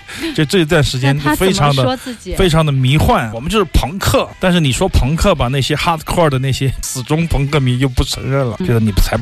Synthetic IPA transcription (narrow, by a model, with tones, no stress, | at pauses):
jo˥˧ʈ͡ʂɤ˥˧i˧˥t̪̬wa˥˩nʂɻ̩˧˥t͡ɕjɛ˥nt͡ɕjo˥˧fe˥˧ɪʈ͡ʂʰɑ˧˥ŋd̪ə˧˨fe˥ɪʈ͡ʂʰɑ˧˥ŋd̪ə˨mi˧˥xwa˥˩n˨˩mə˦nt͡ɕjo˥˧ʊʂɻ̩˥˩pʰɤ˧˥ŋkʰɤ˥˩t̪a˥˧nʂɻ̩˥˩ni˨˩ʂwɔ˥pʰɤ˧˥ŋkʰɤ˥˩ba˨˩na˥˩ɪɕjɛ˥xa˥t̪kʰwɔ˥˩d̪ə˩na˥˩ɪɕjɛ˥sɹ̩˨˩ʈ͡ʂʊ˥ŋpʰɤ˧˥ŋkʰɤ˥˩mi˧˥njo˥˧ʊpu˥˩t͡sʰɤ̰˧˥ŋɻə˥˩nlə̰˨˩t͡ɕɥɛ˧˥d̪ə˧ni˨˩t͡sʰa˧˥ɪ